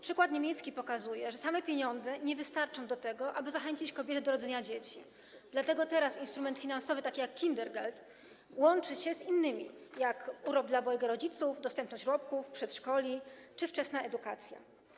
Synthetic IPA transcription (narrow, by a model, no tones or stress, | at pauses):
pʂɘkwat̪ɲemʲjɛt̪skʲipɔkazujɛʐɛsamɛpʲjeɲɔnd̪zɛɲɛvɘst̪aɾt͡ʂɔ̃w̃d̪ɔt̪ɛɡɔʔabɘzaxɛɲt͡ɕit͡ɕkɔbʲjɛt̪ɛd̪ɔɾɔd̪zɛɲad͡ʑet͡ɕi | d̪̥lat̪ɛɡɔt̪ɛɾasinst̪ɾumɛnt̪fʲinansɔvɘt̪akʲijakːʲind̪ɛɾɡalt̪ | wɔnt͡ʂɘɕɛzinːɘmʲḭjakuɾɔb̚d̪labɔjɛɡɛɾɔd͡ʑit̪sufd̪ɔst̪ɛmpnɔɕt͡ɕɾɔp̚kufpʂɛt̪ʂkɔlʲit͡ʂɘft͡ʂɛsnaʔɛd̪ukat̪sʲja̰